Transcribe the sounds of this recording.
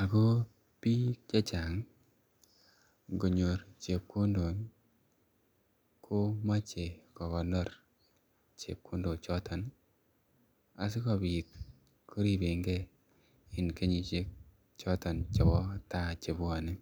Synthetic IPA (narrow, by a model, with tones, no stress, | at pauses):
a˨ko˦ | pi˦t͡ʃe˦t͡ʃa˨ŋ | ɡo˨ɲo˨ɾt͡ʃe˨p̚ko˦ndo˨n | kʰo˦ma˦t͡ʃe˨kɔ˨kɔ˨nɔ˦ɾ | t͡ʃḛ˨p̚kʰo˦ndo˨t͡ʃɔ˦tɔ˨n | a˨s̬ɪ˦kɔ˨bi˨t̚ | kʰo˦ɾi˨be˨ŋɡɛ˦ | ɪ˨nke˦ɲi˨t͡ʃe˦k̚ | t͡ʃɔ˦tɔ˨nt͡ʃɔ˨bɔ˦ta˦˨t͡ʃe˨bwa˨nɪ˦